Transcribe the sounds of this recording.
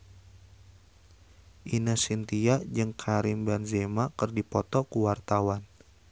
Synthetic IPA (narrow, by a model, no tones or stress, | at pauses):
ʔinasint̪iad͡ʒɨŋkʰaɾɪmbanzemakərdipɔt̪ɔkuwart̪awan